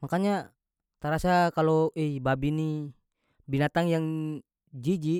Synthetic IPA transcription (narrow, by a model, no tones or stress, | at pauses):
makaɲa | t̪aɾasakalɔʔɛibabini | binat̪aŋjaŋ | d͡ʒid͡ʒi